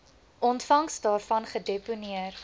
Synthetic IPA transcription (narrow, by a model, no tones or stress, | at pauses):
ʔɔntfɐŋsdɑːrfɐnχədeponiər